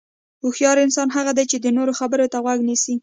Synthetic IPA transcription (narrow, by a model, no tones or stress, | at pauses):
uxjɑɾɪnsɑnɦaɣad̪ajt͡ʃed̪ənoɾoxabəɾot̪aɣwaɡnisi